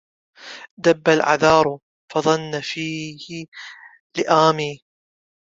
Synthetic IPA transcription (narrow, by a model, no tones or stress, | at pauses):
d̪abːalʕa̰ðɑːɾˤ | fɑðˤɑnːafiːhɪ | lɪʔaːmiː